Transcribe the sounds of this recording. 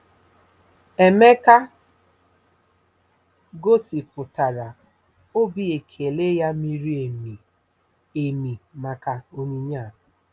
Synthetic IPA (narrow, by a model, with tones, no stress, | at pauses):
e˨me˦ka˦ | ɡo˦si˨pʊ˨ta˨ɾa˨ | o˦bi˦e˨kʰe˨le˦ja˦mi˦ɾi˦e˨m˨ | e˨mi˨ma˨ka˨o˦ni˦ɲa˦˨